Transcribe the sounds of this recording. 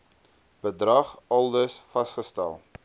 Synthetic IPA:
b̥ədrɐχɐlˠdəsfɐsχəstæ̰lˠ

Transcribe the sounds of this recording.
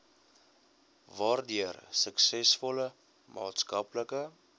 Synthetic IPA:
vɑːrdiərsəksɛsfɔlə | mʔɑ̰ːtskɐpləkə

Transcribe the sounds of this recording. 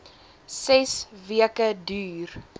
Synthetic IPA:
sɛsviəkədyːr

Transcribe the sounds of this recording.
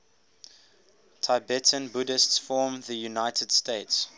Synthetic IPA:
tʰaɪbɛtʰə̃nbudɪstsfɔːmðəjunaɪtʰəd̥steɪts

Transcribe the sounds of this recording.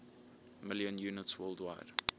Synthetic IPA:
mɪljə̃njunətswɜːlˠdwa̰ɪd̥

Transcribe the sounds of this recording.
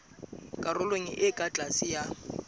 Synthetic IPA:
kʼarʊlweŋ̩ʔɪkʼat͡ɬʼasɪja

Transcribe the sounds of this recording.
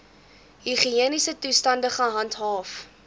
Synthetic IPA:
ɦiχiiənisətustɐndəχəɦɐntɦɑːf

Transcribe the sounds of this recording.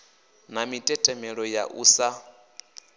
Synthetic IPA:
namitʼɛtʼɛmɛɺɔja̰ʔṵːsa

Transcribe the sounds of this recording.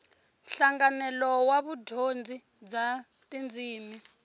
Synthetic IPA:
ɬaŋɡanɛlɔwaβudʱond͡zʱi | d͡za | tʼind͡ziːmi

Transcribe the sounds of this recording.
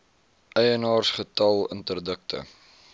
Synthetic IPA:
ʔɛjənɑːrsχətɐlˠəntərdək̚tʰə̰

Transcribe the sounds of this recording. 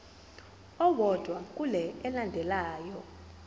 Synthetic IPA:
ɔwɔd̥ʱwak̬ʼulɛɛlandʱɛlaːjɔ

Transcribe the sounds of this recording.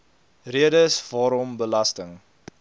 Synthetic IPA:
riədəsvɑːɾɔmbəlɐstəŋ

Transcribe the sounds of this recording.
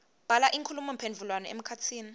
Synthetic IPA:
b̥ʱalaʔiŋkʰulumɔmpʰendd͡ɮʱulwanɔḛm̩kʰatʰiːni

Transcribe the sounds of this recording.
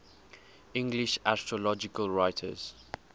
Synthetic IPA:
ɪ̃ŋɡliʃastɹɔlɔd͡ʒɪkəlɹaɪtʰə̰z̥

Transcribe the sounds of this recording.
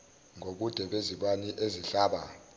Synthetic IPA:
ŋoɓud̥ʱɛɓeziɓaniʔeziɬaːɓa

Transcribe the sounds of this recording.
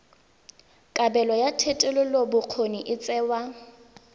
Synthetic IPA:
kʼabɛlɔjatʰetʼɛlʊlobʊq͡χʰoniʔɪt͡sʼɛːwa

